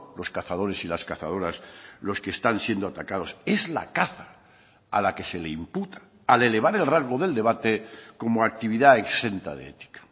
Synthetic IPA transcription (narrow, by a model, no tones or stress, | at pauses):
lo̞skaθað̞o̞ɾe̞silaskaθað̞o̞ɾaslo̞ske̞ːst̪ansje̞nd̪oat̪akað̞o̞se̞zla̰kaθa | a̰lake̞se̞le̞imput̪ḁː | le̞le̞β̞aɾe̞lraŋɣo̞ðe̞ld̪e̞βat̪e̞ko̞moak̚t̪iβiðae̞kse̞nt̪a̰ðḛḛt̪i̥kḁ